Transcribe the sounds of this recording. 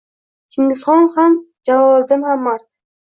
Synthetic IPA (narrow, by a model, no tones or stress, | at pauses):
kʰɪŋdɪsχɒnhamd͡ʒavɒlˠd̪ɪnhamːaɾt̪